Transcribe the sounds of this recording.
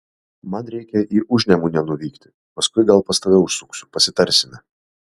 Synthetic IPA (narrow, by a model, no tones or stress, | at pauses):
mɐnɾʲɛɪkʲɛʔiːʔʊʒʲnʲɛmuːnʲɛnʊʋʲiːkt̪ʲɪ̥ | pɐskʊɪɡɐlˠpɐst̪ɐʋʲɛʊʃsʊksʲʊpɐsʲɪt̪ɐɾʲsʲɪmʲɛ